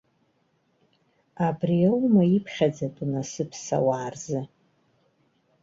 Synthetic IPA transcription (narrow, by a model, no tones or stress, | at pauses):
abriawmaipʰχʲad͡zatʼunasɨpʰsa̰waːrzɨ